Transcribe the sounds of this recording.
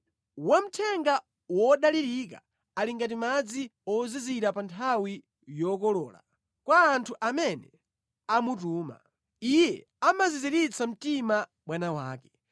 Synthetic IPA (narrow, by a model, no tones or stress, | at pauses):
wam̩tʰɛŋɡa | wɔɗaliɾik̬a̰ | aliŋɡat̬imad͡ziɔziziɾapantʰawi | jɔkɔlɔ̰ːla̰ | kwaːntʰuʔamɛnɛ | amutuːma̰ | ijɛ | amaziziɾit͡sʰam̩tima | ɓwanawaːkɛ